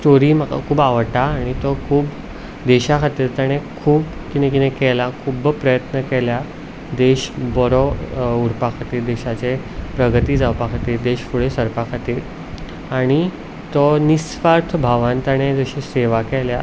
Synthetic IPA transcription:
sʈoɾiməka̰kʰuːbaʋəʈaːɽ̃it̪ɔkʰuːb | d̪eɕakʰat̪iːɾt̪aɽ̃ekʰuːb | kinẽkit̪ẽkɛlakʰuːbpɾəjət̪nəkɛlja | d̪eɕbɔɾɔuɾpakʰat̪iːɾd̪eɕat͡se | pɾəɡət̪iːd͡zawpakʰat̪iːɾd̪eɕfuɭesəɾpakʰat̪iːɾ | aɽ̃i | t̪ɔnisfaɾt̪ʰbʱaʋãnt̪aɽ̃ed͡zəɕiseʋakɛlja

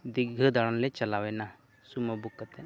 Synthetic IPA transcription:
d̪iɡʱəd̪aɽ̃anlɛt͡ʃɐlawɛna | suməbukːət̪ɛ

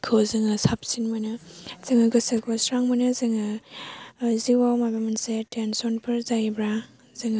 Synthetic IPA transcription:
kʰɯzɯŋɯsap̚sinmɯnɯz̥ɯŋɯɡɯsakɔsɾaŋmɐnɯzɯŋɯ | ziwawmabamansetensɔnpʰɯɾzajbɾa | zɯŋ

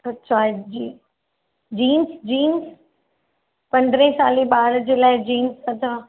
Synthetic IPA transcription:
ɐtːʃʰad͡ʑi | d͡ʑiːnsd͡ʑiːns | pɐ̃nd̪ɾẽsaːlẽɓaːɽd͡ʑeːlaːɪd͡ʑiːnsɐt͡ɕaː

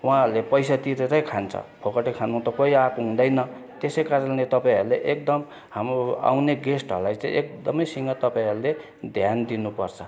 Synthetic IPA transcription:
wãɦɾlepʌjsat̪iɾeɾʌjkʰant͡sʰʌ̰pʰokʌʈekʰanũt̪ʌkoiakuɦũd̪ʌjnʌ | t̪esʌjkaɾʌlet̪ʌpaĩɦʌɾuleʔek̚d̪ʌm | hamroa̰wneɡesʈʌ̰ɾulajt͡sãḭ̃ʔek̚d̪ʌmʌjsiŋɡʌt̪ʌpaĩɦʌɾule | d̪ʱjand̪inupʌrt͡sʰʌ

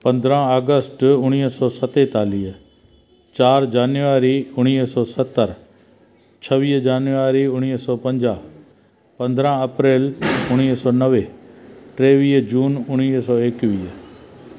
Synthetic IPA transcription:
pɐ̃nd̪ɾãːaːɡəsʈʊɽ̃iːsɔːsət̪et̪aːliːɦ | t͡ʃaːɾd͡ʒaːnjuʋaːɾiʊɽ̃iːsɔːsət̪ːəɾ | t͡ʃʰəʋiːɦd͡ʒaːnuʋaːɾiʊɽ̃iːsɔːpə̃ɲd͡ʒaː | pɐ̃nd̪ɾãːəpɾeːlʊɽ̃iːsɔːnəʋeːʈɾeːʋiːɦd͡ʒuːnʊɽiːsɔːeːkʋiː

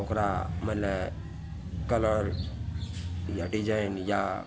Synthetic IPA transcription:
okɾaməle | kələɾ | jaɖid͡ʒajnja

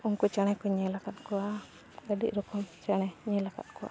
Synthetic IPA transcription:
uŋkut͡ʃanɛkuɲəlakat̪kua | ɡadḭʔɾukumt͡ʃanɛɲəlaka̰t̪̚kua̰

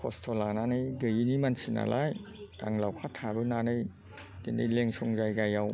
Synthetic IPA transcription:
kʰɔstʰɔlananɯjɡɯjinimansina̰lʔa̰ja̰ŋlawkʰatʰːabɯnanɯj | dendɯ̰jleŋsɔŋzajɡajaw

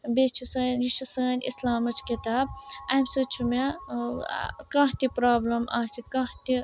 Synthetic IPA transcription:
bet͡ʃʰusɐːnɾiʃusɐːnḭslaːmɐt͡ʃʰkit̪aːb̚ɐmʲsɐt͡ʃʰuma | kãːt̪ipɾaːblɐmaːsikãht̪i

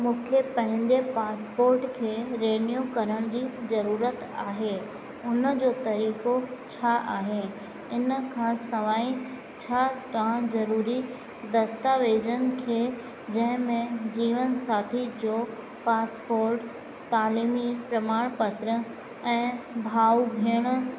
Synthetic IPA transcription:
mũːkʰepɐ̃ɦɪ̃ɲd͡ʑepaːspoːɾʈkʰeːɾeːnijukɐɾəɽ̃d͡ʑiːzɐɾuːɾət̪aːɦe | ʊnə̆d͡ʑoːt̪ɐɾiːkot͡ɕʰaʔaːɦe | ɪnkʰãsɐʋaːĩ | t͡ɕʰakãzɐɾuːɾi | d̪ɐst̪aʋeːd͡ʑən̆kʰeː | d͡ʑɐ̃ɦɪ̃mẽd͡ʑiːʋənsaːt̪ʰid͡ʑo | paːspoːɾʈ | t̪aːliːmipɾɐmaːɽ̃pɐt̪ɾə | ɛ̃ːbʱaːubʱeːɽ̃

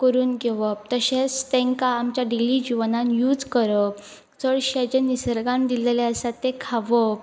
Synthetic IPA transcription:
kəɾuːnɡeʋət̪əɕet͡st̪ẽŋkaːmt͡ɕjaɖilid͡ʑiʋnanjuːd͡zkəɾə | t͡səɭɕed͡ʑenːisəɾɡãnd̪ileleəsat̪ːekʰaʋə

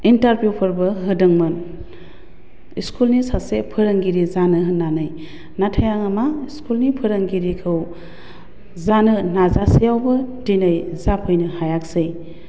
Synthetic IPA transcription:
intaɾbjupʰɯɾbɯɦɯdɯŋmɯn | ḭskʰulnisasepʰɯɾaŋɡiɾizanɯɦɯnːanɯj | natʰajaŋamaiskulnipʰɯɾaŋɡiɾikʰɯw | zanɯnazasijawbɯdinajzapʰɯjnɯhajak̚sɯj

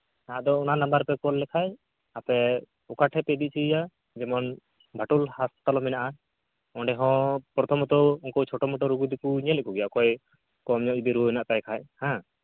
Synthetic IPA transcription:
t̪aãd̪ɔɔnanambaɾpɛkɔllɛkʰaj | apɛ | ɔkaʈʰɛpɛd̪it̪̚t͡ʃʰija | d͡ʒɛmɔn | bʱaʈulhast̪alɔminaʔa | ɔ̃ɖɛɦɔ̃pɾɔt̪ʰɔmɔt̪ɔɔŋkɔt͡ʃʰɔʈɔmɔʈɔɾuɡud̪ikuɲɛlɛkʰuɡɛjakɔj | kɔmɲɔʔd͡ʒid̪iɾuɛnaʔt̪ajkʰajhã

